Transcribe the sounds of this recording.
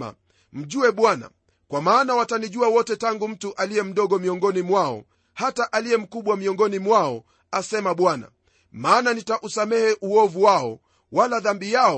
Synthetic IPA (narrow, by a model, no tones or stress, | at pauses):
a̰ | m̩ʄuɛɓwana̰ | kwamaːnawataniʄuawɔtɛtaŋɡum̩tuʔalijɛm̩ɗɔɠɔmiɔŋɡɔnimwaɔ̰ | hataʔalijɛm̩kuɓwamiɔŋɡɔnimwaɔ | asɛmaɓwana̰ | maːnanitaʔusamɛhɛʔuɔvuwaɔ | walaðambijaɔ